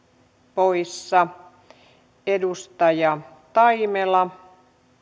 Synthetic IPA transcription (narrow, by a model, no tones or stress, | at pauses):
poisːɑ | edust̪ɑjɑ | t̪ɑimelɑ